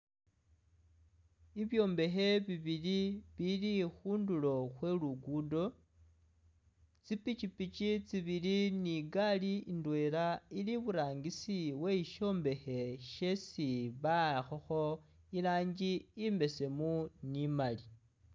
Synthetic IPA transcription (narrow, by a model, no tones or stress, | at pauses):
iβjo̞ːmbe̞xe̞βiβiliβilixuːndulo̞xwe̞luɡudo̞ | t͡sipit͡ʃipit͡ʃit͡siβiliniɡaliindwe̞ːɾailiβuɾaːŋɡisiwe̞iʃo̞ːmbe̞xe̞ʃesiβaxoxo̞ | ilaːɲd͡ʒiːmbe̞se̞munimali